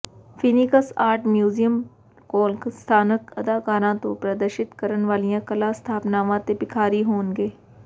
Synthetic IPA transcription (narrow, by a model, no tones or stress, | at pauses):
fʰiːnɪkəsaːɾʈmjuːzijəm | koːlkst̪ʰaːnəkəd̪aːkaːɾãːt̪õːpɾəd̪əɾʃɪt̪kəɾənʋaːlijãːkəlaːst̪ʰaːpnaːʋãːt̪eːpɪkʰaːɾiːɦoːnɡeː